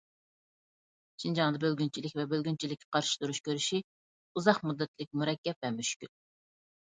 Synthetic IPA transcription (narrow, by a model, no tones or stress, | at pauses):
t͡ʃʰind͡ʒɑŋd̪ɑbølɡʲynt͡ʃʰilɪkʲvɛbølɡʲynt͡ʃʰilɪkʲːɛqʰɑɾʃi̥t̪uɾuʃkʲʰøɾyʃi | uzɑχmud̪ːɛt̪lɪk̚ʲmuɾɛkʲːɛp̚vɛmyʃkʲyl